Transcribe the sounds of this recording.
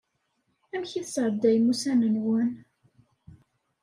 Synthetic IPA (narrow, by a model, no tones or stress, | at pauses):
æmçiθsɾˤəd̪ːæjmusænənwən